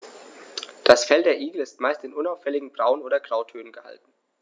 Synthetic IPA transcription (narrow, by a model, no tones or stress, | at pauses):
d̥asfɛldeːɐʔiːɡl̩ɪstmaɪstɪnʔʊnaʊfɛlɪɡŋ̩bʁaʊənoːdɐɡʁ̥aʊtʰøːnənɡ̥əha̰ltn̩